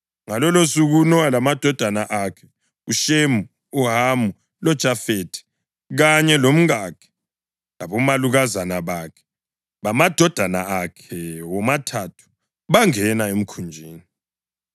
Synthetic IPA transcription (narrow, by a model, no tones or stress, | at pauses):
ŋalɔlosuɣunɔalamad̥ʱɔd̥ʱanaʔakʰɛ̥ | uʃemu | uɦamu | lɔd̥ʒ̥ʱafetʰi̥ | ɣaɲɛlom̩ɣakʰɛ̥ | laβɔmaluɣazanaβakʰɛ̥ | βamad̥ʱɔd̥ʱanaakʰɛwɔmatʰatʰu̥ | βaŋɛnaem̩kʰund͡ʒʱiːni